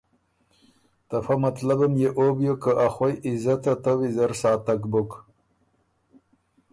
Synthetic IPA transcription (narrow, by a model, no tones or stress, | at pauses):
t̪afamat̪labamjeʔobjokəʔaxwajizat̪at̪awizaɾsɑːt̪akbok